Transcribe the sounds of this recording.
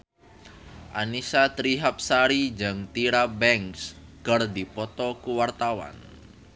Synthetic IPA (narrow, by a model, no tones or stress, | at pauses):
ʔanisat̪ɾiɦap̚saɾid͡ʒəŋt̪iɾabɛŋskərdipɔt̪ɔkuwart̪awa̰n